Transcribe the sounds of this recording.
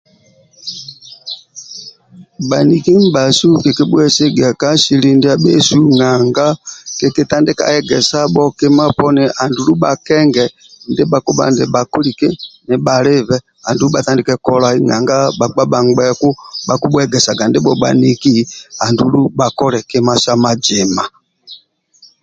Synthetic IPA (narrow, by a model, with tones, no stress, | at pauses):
ba˨ni˨ki˦m̩˦ba˨su˦ke˨ke˦ɓu˦ɛ˦se˦ɡa˨ka˦ʃi˨li˦ndi˦a˦ɓe˦su˦ŋa˨ŋɡa˦ke˨ke˦ta˦ndɪ˦ka̰˨ɛ˨ɡɛ˨sa˦ɓɔ˦ke˦ma˦pɔ˦nɛ˨ʔa˨ndu˨lu˦ɓa˨kɛ˦ŋɡɛ˨ | ndɪ˦ɓa˨ku˦ɓa̰˦˨ndɪ˨ɓa˨ku˦li˨ke˦nɪ˨ɓa˨lɪ˦vɛ˨ | a˨ndu˨˦u˦ɓa˨ta˦ndɪ˦kɛ˦kɔ˦la˨i˦ŋa̰˨ŋɡa˦ɓa˨k͡pa˦ɓa˨ŋɡ͡bɛ˦ku˦ɓa˨ku˦ɓu˦ɛ˦˨ɡɛ˨sa˨ɡa˨ndɪ˦ɓɔ˨ɓa̰˨ni˨ki˦a˨ndu˨lu˦ba˨kɔ˦ɾɛ˨ke˦ma˦sa˦ma˨d͡ʒɪ˨ma˨